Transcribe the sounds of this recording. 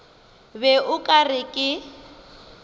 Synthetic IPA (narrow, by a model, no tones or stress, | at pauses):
bɛʔʊkʼarɪkʼɪ